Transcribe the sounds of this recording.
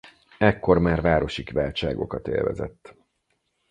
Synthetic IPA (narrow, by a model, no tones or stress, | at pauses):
ɛkːo̞rmaːrvaːɾo̞ʃikʋaːlt͡ʃaːɡo̞̰kɒt̪ḛːlvɛ̰zɛt̪ː